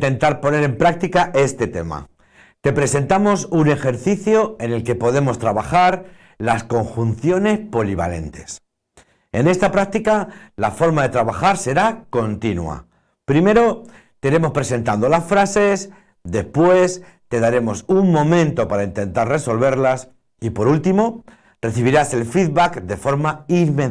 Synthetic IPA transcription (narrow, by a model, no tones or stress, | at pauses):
t̪e̞nt̪aɾpo̞ne̞ɾe̞mpɾak̚t̪ikaʔe̞st̪e̞t̪e̞̰ma̰ | t̪e̞pɾe̞se̞nt̪amo̞sune̞xe̞ɾθiθjo̞e̞ne̞lke̞po̞ðe̞mo̞st̪ɾaβaxaɾ | lasko̞ŋxunθjo̞ne̞spo̞liβ̞a̰le̞̰nt̪e̞̥s | e̞ne̞st̪apɾak̚t̪ikalafo̞ɾmaðe̞t̪ɾaβaxaɾse̞ɾako̞nt̪inw̰a̰ | pɾime̞ɾo̞ | t̪eiɾe̞mo̞spɾe̞sẽ̞nt̪and̪o̞lasfɾase̞s | d̪e̞spwe̞s | t̪e̞ðaɾe̞mo̞suŋmõ̞mẽ̞nt̪o̞paɾaint̪e̞nt̪aɾre̞so̞lβe̞ɾlas | ipo̞ɾult̪imo̞ | re̞θiβ̞iɾase̞lfiðβakd̪e̞fo̞ɾmaiɾme